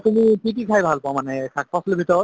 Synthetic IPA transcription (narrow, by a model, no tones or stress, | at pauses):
t̪umipiʈikʰajbʱalpɔamanɛkʰak̚pɔslebʱit̪ɔɔt̪